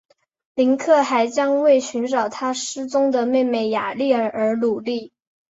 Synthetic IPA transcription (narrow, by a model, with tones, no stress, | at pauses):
li˧˥nkʰɤ˥˩xa˧˥ɪt͡ɕjɑ˥ŋwe˥˩ɪɕy˧˥nʈ͡ʂɑ˨˩ʊt̪ʰa˥ʂɻ̩˥t͡sʊ˥ŋd̪ə˨me˥˧ɪme˥˩ɪja̰˨˩li˥˩˧ə˞˧˥lu˨˩li˥˩